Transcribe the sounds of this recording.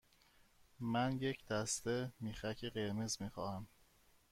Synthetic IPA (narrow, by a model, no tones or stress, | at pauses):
mænjecʰd̪̥æst̪e̞miːxæcʰeɢe̞ɾmezmiːxɒːhæm